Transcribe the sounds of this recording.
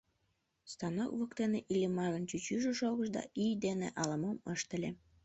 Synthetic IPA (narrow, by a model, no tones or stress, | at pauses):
st̪ɑnokβɤ̆kt̪eneʔilʲemːɑɣə̆nt͡ɕyt͡ɕyʒĕʃoɣə̆ʃd̪ɑ̰ʔijd̪enḛʔɑlɑ̆mɤmɤʃt̪ə̆lʲe